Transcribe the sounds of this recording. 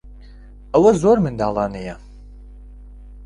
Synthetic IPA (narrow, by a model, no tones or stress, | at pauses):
ɐwɐzoːrmɨndaːlaːnɐja